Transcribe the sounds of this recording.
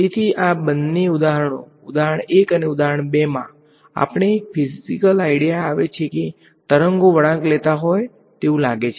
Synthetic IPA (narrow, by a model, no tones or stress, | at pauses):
et̪ʰiʔabənːeud̪aɦəɳõ̰ | ʊd̪aɦəɳekəneud̪aɦəɳbemã̰ | a̰pəɳ̃eːk̚fʰizikəlaiɽijaːʋet͡ʃʰeke | t̪əɾəŋɡoʋəɽãklet̪aɦoj | t̪eũlaɡet͡ʃʰe